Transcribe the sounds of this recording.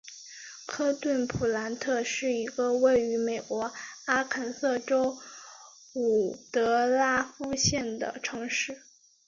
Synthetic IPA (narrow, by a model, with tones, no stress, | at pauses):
kʰɤ˥t̪wə˥˩npʰu˨˩la˧˥nt̪ʰɤ˥˧ʂɻ̩˥˩i˧˥ɡə˧we˥˩ɪy˧˥me˨˩ɪkwɔ˧˥a˥kʰə˧˥nsɤ˥˩ʈ͡ʂo˥ʊ | u˨˩t̪ɤ˧˥la˥fu˥˧ɕjɛ˥˩nd̪ə̰˩ʈ͡ʂʰɤ˧˥ŋʂɻ̩˥˩